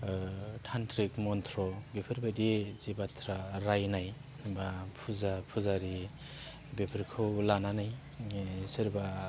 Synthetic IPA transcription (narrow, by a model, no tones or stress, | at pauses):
tʰantʰɾikmɔntʰɾɔbepʰɯɾbadizebatʰɾaɾajnaj | bapʰuzapʰuzaɾi | bepʰiɾkʰɯwlananaj | siɾba